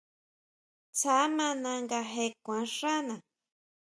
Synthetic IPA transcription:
t͡sa˨˦mã˦nã˧ŋɡa˧ɦe˧kʷã˨˦ʂa˦nã˨

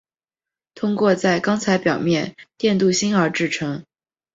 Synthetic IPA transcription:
t̪ʰʊ˥ŋkwɔ˥˧t͡sa˥˩ɪkɑ˥ŋt͡sʰa˧˥ɪpjɑ˨˩ʊmjɛ˥˧nt̪jɛ˥˧nt̪u˥˩ɕi˥nə˞˧˥ʈ͡ʂɻ̩˥˩ʈ͡ʂʰɤ˧˥ŋ

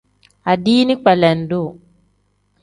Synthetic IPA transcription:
a˨diː˦ni˦k͡pɛ˨lɛ˨ndo˦˨

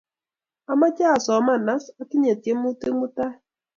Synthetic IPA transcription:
a˦ma˦t͡ʃa˦a˨sɔ˨ma˦˨na˦sa˦kɪ˦ɲe˨tje˦mu˦te˦mu˦ta˦

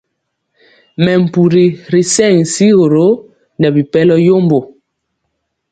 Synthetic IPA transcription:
mɛ˨m̩˨pu˨ɾi˨ɾi˨sɛ˦˨ŋsi˦ɣo˨ɾo˨˦ | ndɛ˨bi˨pɛ˦lɔ˦jo˦mbo˨

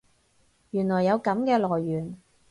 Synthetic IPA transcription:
jyː˨˩nlɔː˨˩jːɐ˨˧wkɐ˨˥mkɛː˧lɔː˨˩jːyː˨˩n

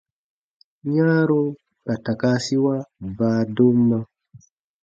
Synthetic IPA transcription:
ɲa˦ɾo˦ | ka˨ta˨ka˦si˦wa˦baː˨do˦mːa˦

